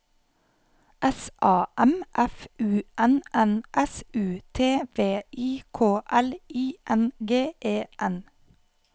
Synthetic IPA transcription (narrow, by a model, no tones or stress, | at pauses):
ʔɛsʔɑːʔɛmʔɛfʉːʔɛnʔɛnʔɛsʉːt̪ʰeːʋeːʔiːkʰoːʔɛliːʔɛnɡeːʔeːʔɛn